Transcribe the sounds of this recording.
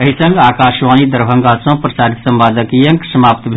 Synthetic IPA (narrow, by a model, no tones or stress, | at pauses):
əɦisɐ̃ŋɡaːkaːʃʋaːnid̪əɾbʱə̃ŋɡaːsõːpɾəsaːɾit̪sɐmbaːd̪əkijɐ̃ŋksəmaːp̚t̪bʱ